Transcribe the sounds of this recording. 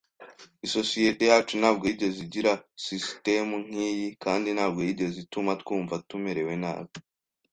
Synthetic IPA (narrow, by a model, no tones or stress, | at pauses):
iso̞sije̞te̞jaːt͡ʃun̥aːbɡoɟe̞ziɟiɾasiste̞muŋ̥ijikaːndinhaːbɡo̞jiɟe̞zitumatkuːɱvatume̞ɾe̞we̞na̰ːβo